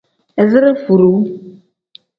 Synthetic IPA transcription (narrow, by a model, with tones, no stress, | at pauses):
e˨zɨ˦ɾe˦fu˨ɾu˨˦